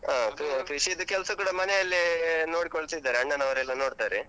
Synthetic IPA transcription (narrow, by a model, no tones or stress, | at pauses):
ɦaːkɾikɾiʂiːd̪ukɛlsɐkuːɽɐmɐnejɐlːino̞ːɽikoɭsid̪ːaːɾeɐɳɖɐnɐʋɐɾɛlːɐno̞ːɽt̪aːɾe